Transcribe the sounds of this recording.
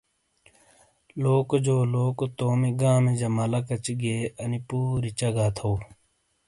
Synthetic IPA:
loːkd͡ʒoːloːkt̪oːmiɡãːmed͡ʒɐmaːlakɐt͡ɕɡeːɐnipuːɾit͡ʃaɡaːt̪ʰoː

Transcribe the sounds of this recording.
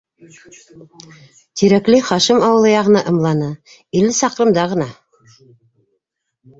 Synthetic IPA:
t̪iɾæklɘχɑʃɤmɑwɤ̆lˠɤjɑʁɤ̆nɑʔɤ̆mlˠɑnɤ | ilɘsɑqɾɤ̆md̪ɑʁɤ̆nɑ

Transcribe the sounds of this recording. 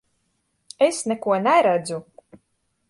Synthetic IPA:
esnɛkuɔnæɾæd̪zu

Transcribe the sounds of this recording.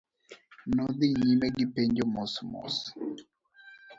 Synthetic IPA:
nɔd̪iɲimɛɡipeɲd͡ʒomɔsmɔ̰s

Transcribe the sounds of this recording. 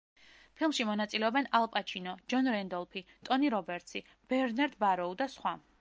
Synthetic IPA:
pʰilˠmʃimɔnat̪sʼilɛɔbɛnalˠpʼat͡ʃʰinɔd͡ʒɔnɾɛnd̪ɔlˠpʰit̪ʼɔniɾɔbɛɾt̪sʰi | b̥ɛɾnaɾd̪baɾɔud̪asχwa

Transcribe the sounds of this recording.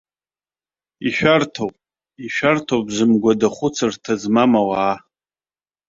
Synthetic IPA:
iʃᶣartʰowpʼ | iʃᶣartʰobzɨmɡʷadaχʷʊt͡sʰɨrtʰazmamawaː

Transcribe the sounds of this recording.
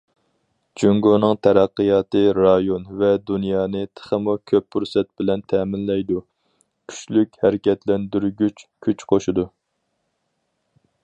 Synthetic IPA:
d͡ʒuŋɡonɨŋt̪ʰɛɾæqːəjɑːt̪ɨɾɑjonvɛd̪unjɑːnɨt̪ʰə̥χəmukʲʰøp̚ːuɾsɛt̪̚bɪlɛnt̪ʰɛːmɪnlɛjd̪u | kʲʰy̥t͡ʃlykʲhɛɾɪkʲɛt̪lɛnd̪yɾɡʲyt͡ʃkʲʰyt͡ʃqʰoʃud̪u

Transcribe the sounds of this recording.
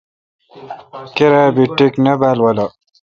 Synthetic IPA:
keɾabiʈːiknɐbaːlwɐlɐ

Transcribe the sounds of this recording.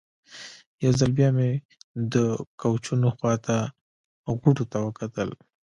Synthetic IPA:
jawzalbjɑme | d̪əkawt͡ʃunoxwɑt̪a | ɣuʈot̪awəkat̪əl

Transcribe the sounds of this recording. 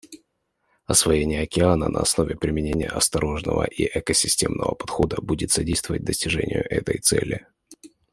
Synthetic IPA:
ɐsvɐjenʲɪjəɐkʲɪanənʔə̰ɐsno̞vʲɪpɾʲɪmʲɪnʲenʲɪjəʔɐst̪ɐɾo̞ʐnəvə̰ʔiʔɛkəsʲɪsʲtʲe̞mnəvə̰pɐ̥t̪xo̞d̪əbudʲɪt̪sɐdʲejst̪vəvət̚ʲd̪əsʲtʲɪʐɛnʲɪjʊʔɛt̪əjt̪sɛlʲɪ

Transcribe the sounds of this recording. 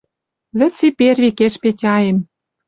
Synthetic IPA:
βɘ̆t͡siperβʲikeʃpetʲɑjem

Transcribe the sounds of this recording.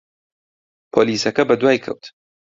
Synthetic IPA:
pʰoːliːsɐkɐbɐd̪waːjkʰɐ̰wt̪

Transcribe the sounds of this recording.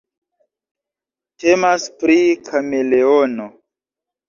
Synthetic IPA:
tʰemaspɾikʰameleono

